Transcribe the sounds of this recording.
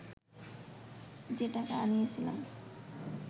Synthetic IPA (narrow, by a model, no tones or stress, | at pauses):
d͡ʑeɖakaanijet͡ɕʰila̰m